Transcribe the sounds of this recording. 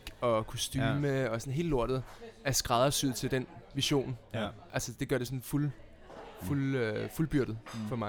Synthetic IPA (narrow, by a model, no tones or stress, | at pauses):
ɡ̥ɒ̽kʰo̝sd̥yːməɒ̽sɒ̽nɦe̝ːləlo̝ɐ̰d̥ð̞̩ˠæɐsɡ̥ʁɑð̞ˠɐsyð̩ˠt͡sʰe̝ld̥enʋiɕo̝̰ːnʔælsəd̥e̝ɡ̥ɶɐɾe̝sɔ̽nful | fuløfulb̥yɐ̰ɾ̥ð̩ˠfɒ̽mɑ